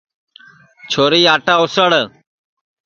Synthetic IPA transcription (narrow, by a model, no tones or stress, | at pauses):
t͡ʃʰoːɾiːaːʈaːʊsəɽ